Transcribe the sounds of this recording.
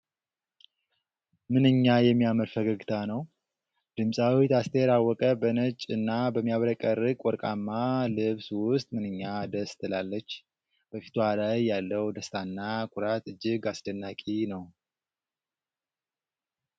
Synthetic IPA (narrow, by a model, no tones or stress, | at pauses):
mɨnɨɲːajɛmːijaməlfəɡəɡt̪ʰanəw | d̪̥ɨmsʼawit̪ʰast̪ʰəjɛɾawːɔkʼəbənət͡ʃʼɨnːabəmːijaβɾəkʼːəɾɨkʼwɔɾkʼamːalɨβswʊst̪ʼmɨnɨɲːad̪əst̪ʰɨlalːət͡ʃː | b̥əfi̥t̪ʰwalajːalːəwd̪əst̪ʰanːakʰʷʼʊɾat̪ɨd͡ʒːɪɡasd̪ənːakʼinəw